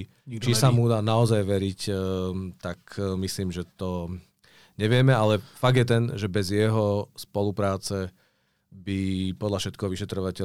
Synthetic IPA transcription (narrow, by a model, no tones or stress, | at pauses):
t͡ʃisamud̪aːnaɔzajʋɛɾic | t̪akmisliːmʒɛt̪ɔ | ɲɛʋɪɛmɛalɛfaɡ̚d̪jɛt̪ɛnʒɛbɛzjɛɦɔspɔlupɾaːt͡sɛ | bipɔd̪ʎafʃɛt̪̚kɛɦɔʋiʃɛt̪ɾɔʋacɛ